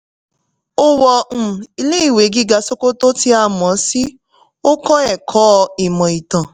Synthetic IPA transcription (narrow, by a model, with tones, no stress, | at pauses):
o˦wɔ˧ñ̩˨i˧le˦i˦˨we˨˦ɡi˦ɡa˧so˦ko˦to˦ti˧a˧˨mɔ̃˨˦si˦ | o˦kɔ̃˦ɛ˨kʰɔ˦˧i˨mɔ̃˨i˨tã˨